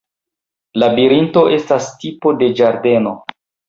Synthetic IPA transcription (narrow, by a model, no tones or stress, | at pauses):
labiɾinto̞ʔe̞stastipo̞de̞d͡ʒaɾde̞no̞